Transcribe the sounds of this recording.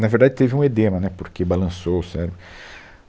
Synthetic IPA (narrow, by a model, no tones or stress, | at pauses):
nɐveɾd̪ad͡ʒɪt̪evɪũed̪ẽmɐnɛpoɾkebalɐ̃sowsɛɾʊ